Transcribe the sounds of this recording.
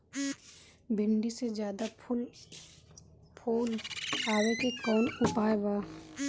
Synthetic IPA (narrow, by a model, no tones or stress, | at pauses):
bʱɪɳɖised͡ʒjaːd̪apʰʊl | pʰoːlaːwekekɔːnʊpaːebaː